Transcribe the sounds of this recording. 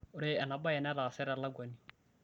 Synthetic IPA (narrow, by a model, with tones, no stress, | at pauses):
ʊ˦ɾɪ˦ɛ˨na˨ba˦ɛ˨nɛ˦ɾa˨sɛ˦ɾɛ˨˦la˦ɡwa˨ni˨